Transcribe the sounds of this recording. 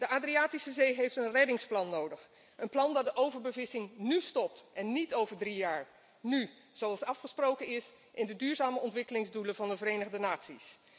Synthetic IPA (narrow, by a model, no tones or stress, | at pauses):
dəʔaːdriaːtisəzejɦejftənrɛdɪŋsplɑnːowdəχ | ʔənplɑndɑdəʔowvəɹbəvɪsɪŋnystɔp̚tɛnːitowvəɹdrijaːɹ | ny | z̥owɑlˠsɑfχəsprowkənɪs | ʔɪndədyːɹzaːməɔntʋɪkəlɪŋzduləvɑndəvərejnəχdənaːtsis